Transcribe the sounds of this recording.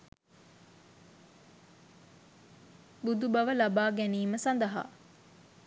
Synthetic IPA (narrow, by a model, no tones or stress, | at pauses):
bud̪ubɐʋəlɐbaːɡæniːməsɐnd̪ɐɦa̰